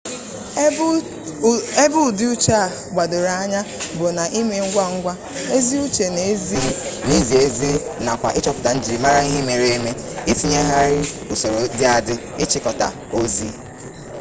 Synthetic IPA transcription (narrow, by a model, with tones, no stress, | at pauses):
e˦bʊ˦˨dɪ˦u˦t͡ʃa˦˨ | ɡ͡ba˨dʊ˨ɾa˦ɲa˦bʊ˨na˨ʔi˦me˨ŋ̩˦ɡʷa˦ŋ̩˦ɡʷa˦ | e˦zi˦u˦t͡ʃe˨ne˨˦zi˦ni˦zi˨e˦zi˦na˨kʷa̰˨ʔɪ˦t͡ʃɔ˦pʊ˨ta˨n̩˦d͡ʒi˨ma˦ɾa˦i˦ɦe˦me˨ɾe˦e˦me˦ɪ˦ti˦ɲe˦ɦa˦ɾɪ˦u˨so˨ɾo˨dɪ˦a˨dɪ˦ | ɪ˦t͡ʃɪ˦kɔ˨ta̰˨ | o˦zḭ˦˨